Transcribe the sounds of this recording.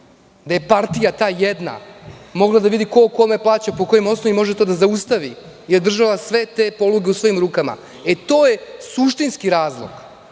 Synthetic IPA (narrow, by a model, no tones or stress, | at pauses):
d̪aje̞paɾt̪ijat̪aːjed̪na̰mo̞ɡlˠad̪aʋid̪iko̞ko̞meplˠaːt͡ɕapo̞ko̞jimo̞snoʋimo̞ʒet̪o̞ːd̪azaust̪aʋi | jeɾd̪r̩ʒaʋasʋe̞t̪e̞ːpo̞luɡe̞usʋo̞imɾuːkama̰ | et̪o̞ːje̞suʃt̪inskiɾaːzlˠo̰ɡ̥